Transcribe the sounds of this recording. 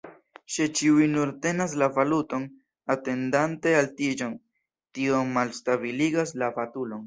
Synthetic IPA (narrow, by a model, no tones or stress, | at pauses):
ʃet͡ʃiujnuɾte̞nas̬lavaluto̞n | ate̞ndante̞altid͡ʒo̞n | tio̞malstabiliɡaslafatulo̞n